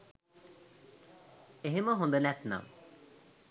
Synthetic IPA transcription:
eɦemɔɦond̪enɛt̪na̰m

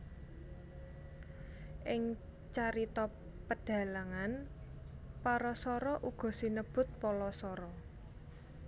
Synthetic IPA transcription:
ʔɪŋ | t͡ʃaɾit̪ɔ | pəɖ̥a̤laŋan | paɾɔsɔɾɔʔuɡ̥ɔ̤sinəb̥ʊ̤t̪̚pɔlɔsɔɾɔ

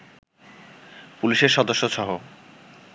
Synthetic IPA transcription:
puliʃeɾʃɔd̪oʃːoʃɔɦo

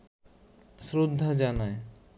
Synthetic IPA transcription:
sɾod̪ʱːad͡ʑanae

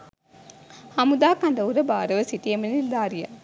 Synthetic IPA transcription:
hɐmud̪aːkɐnd̪ɐʋuɾɐbaːɾɐʋɐsiʈ̪iemɐnild̪aːɾija̰

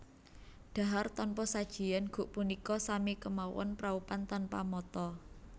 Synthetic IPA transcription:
ɖ̪̥a̤ɦart̪ɔnpɔsad̥ʒ̥i̤janɡ̥ṳʔpunikɔsamikəmawɔ̰npɾaupant̪anpamɔt̪ɔ

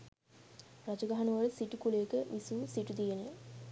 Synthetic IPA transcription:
rad͡ʒuɡaɦɐnuʋələsiʈukuleːkəʋisuːsiʈud̪ijene

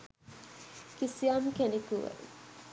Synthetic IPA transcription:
kisiamkenekuʋḛ

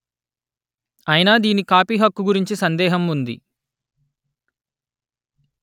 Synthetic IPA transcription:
ɐjinaːd̪iːnikaːpiːɦɐkːuɡuɾiɲt͡ʃisɐnd̪ɛːɦɐmund̪ḭ

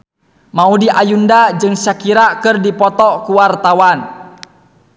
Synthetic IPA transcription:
maudiʔajundad͡ʒɨŋsakiɾakɨrdipɔt̪ɔkuwart̪awan

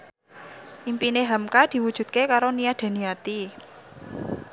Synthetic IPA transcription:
ʔimpineɦamkad̪̥i̤wud̥ʒ̥ṳd̪̚kekaɾoniad̪̥a̤niat̪i

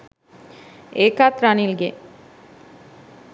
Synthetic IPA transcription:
eːkat̪ɾanilɡe

